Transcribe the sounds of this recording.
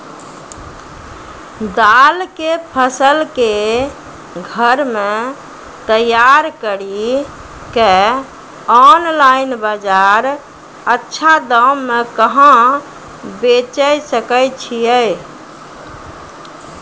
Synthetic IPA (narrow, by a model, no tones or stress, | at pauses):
d̪alkepʰəsəlke | ɡʱəɾme | t̪əjaɾkəɾi | ke | ɔnlainbad͡ʒaɾ | ətːʃʰad̪əmːekəɦə̃ | bet͡ʃəjsəkəjt͡ʃʰijəj